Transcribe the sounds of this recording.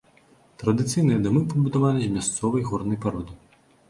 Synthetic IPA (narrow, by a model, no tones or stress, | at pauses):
t̪ɾɐd̪ɨt̪sɨjnɨjɐd̪ɨmɨpɐbud̪avalʲizʲmʲast̪sɔvɐjɣɔrnɐjpaɾɔd̪ɨ